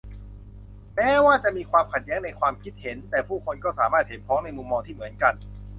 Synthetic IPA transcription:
mɛː˦˥waː˥˩t͡ɕa˨˩ʔmiː˧kʰwaː˧mkʰa˨˩t̪̚jɛː˦˥ŋna˧jkʰwaː˧mkʰi˦˥t̪̚he˩˦nt̪ɛː˨˩pʰuː˥˩kʰo˧nkɔː˥˩saː˩˦maː˥˩t̪̚he˩˦npʰɾɔː˦˥ŋna˧jmu˧mːɔː˧ŋt̪ʰiː˥˩mɯ˩˦ənka˧n

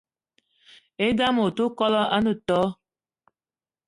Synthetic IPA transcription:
e˦da˦mo˨tu˦kɔ˦lɔ˦ʔa˦nu˨tɔ˦

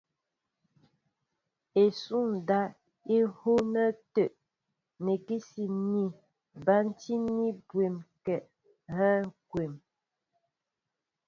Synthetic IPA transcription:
e˨su˦n˨da˦ | i˦ho˦nə˦te˦˨ʔ | ne˨ki˦si˨ni˦˨ | ba˦n̩˦ti˦ni˦bwe˨mkɛ˨ʔ | ɣɛ˦kwe˨m

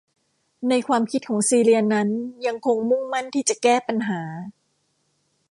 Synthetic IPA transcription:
na˧jkʰwaː˧mkʰi˦˥t̪̚kʰɔː˩˦ŋsiː˧li˧ɐna˦˥nja˧ŋkʰo˧ŋmu˥˩ŋma˥˩nt̪ʰiː˥˩t͡ɕa˨˩kɛː˥˩pa˧nɦaː˩˦

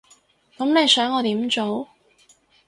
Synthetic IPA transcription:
kɐ˨˥mne˨˧jsœː˨˥ŋɔː˨˧t̪iː˨˥mt͡ʃo˨˥w

